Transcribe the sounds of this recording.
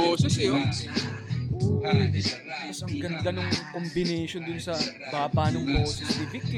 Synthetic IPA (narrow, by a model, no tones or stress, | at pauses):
oːsɛsjo | o | asɐŋɡɐnd̪ɐnʊŋkombɪnɛjʃond̪ʊnsɐ | baːbanʊŋboːsɪst̪ɪvɪk̚t̪ɪ